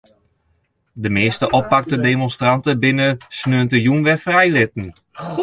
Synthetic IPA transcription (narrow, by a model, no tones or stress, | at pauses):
dəmɪːstəʔɔpːak̚tədemɔnstrantəbɪnəsnøəntəjunʋɛfrɛjlɪtn̩